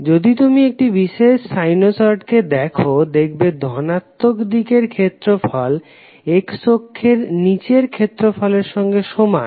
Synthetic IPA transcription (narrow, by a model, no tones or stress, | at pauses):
d͡ʑod̪it̪umiek̚ʈibiʃeʃsajnosɔɾʈked̪ɛkʰod̪ekʰbed̪ʱɔnat̪ːokd̪ikeɾkʰet̪ːɾofɔl | eksokʰːeɾnit͡ɕeɾkʰet̪ːɾofɔleɾʃɔŋɡeʃoma̰